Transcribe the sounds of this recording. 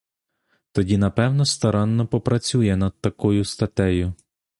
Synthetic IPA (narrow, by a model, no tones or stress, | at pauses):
t̪ɔdʲinɐpɛwnɔst̪ɐɾɑnːɔpɔpɾɐt͡sʲujɛnɐd̪̥̚t̪ɐkʊjʊst̪ɐt̪ɛjʊ